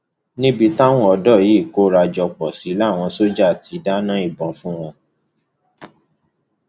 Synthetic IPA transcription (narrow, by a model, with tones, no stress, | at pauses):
nĩ˦bi˧ta˦w̃ɔ̃˦ɔ˧dɔ˦˨ji˨˦˨ko˦ɾa˧d͡ʒɔ˧k͡pɔ˨si˨˦la˦˨w̃ɔ̃˧so˦d͡ʒa˦˨tʰi˨˧˦da˦nã˦i˦˨bɔ̃˨fũ˦w̃ɔ̃˧